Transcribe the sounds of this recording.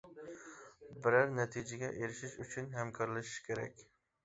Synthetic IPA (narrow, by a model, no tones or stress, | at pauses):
bɪɾæɾnɛt̪ʰid͡ʒɪɡʲɛʔeɾɪʃiʃyt͡ʃʰynɦɛmkʰɑɾlˠɨʃɪ̥ʃkʲʰeɾɛ̰kʲ